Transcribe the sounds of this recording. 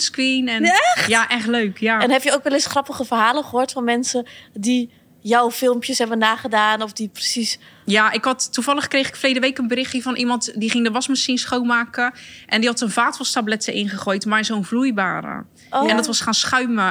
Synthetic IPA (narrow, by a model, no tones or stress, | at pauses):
skʋinɛnjaʔɛχtløɥkʰjaɛnɦɛpjəowkʋɛlɪsχrɑpəχəfərɦaːləχəɦoːɹtfɔnmɛnsədi | jawfɪlˠmpjəsɦɛbənːaːχədaːnɔfdiprəsisjaʔɪkhɑtːuvɑlˠəχkrejχɪkflejdəʋeːkənbəɾɪxəvɔnʔimɑntdiχɪŋdəʋɔsməsinsχownmaːkəʔɛndihɑtənvaːtʋɔstablɛtəʔɪnχəχoːjtmarzonvlujbaːɾə̰ | ɛ̃ndɔtʋɔsχaːnsχœɥmə